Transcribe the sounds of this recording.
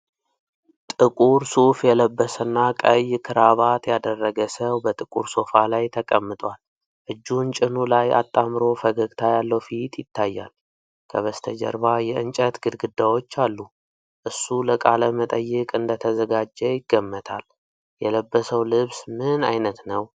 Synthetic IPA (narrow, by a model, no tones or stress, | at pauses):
t̪ʼɨkʼuɾsufjɛləbːəsənːakʼəjkʰɨɾaβat̪jad̪ərːəɡəsəwbət̪ʼɨkʼuɾso̞falajt̪ʰəkʼəmːɨt̪ʼwal | ʔɨd͡ʒːunt͡ʃʼɪnulaja̰t̪ʼːamɨɾo̞fəɡəɡt̪ʰajalːəwfit̪jɪt̪ːajːa̰l | kʰəβəst̪ʰəd͡ʒə̰ɾβajɛʔɨnt͡ʃʼət̪ɡɨd̪ɡɨd̪ːawo̞t͡ʃːalːu | ʔɨsːuləkʼaləmət̪ʼəjːɪkʼɨnd̪ət̪ʰəzəɡad͡ʒːɛjɪɡːəmːət̪ʰa̰l | jɛləbːəsəwlɨβsmɨna̰jnət̪nəw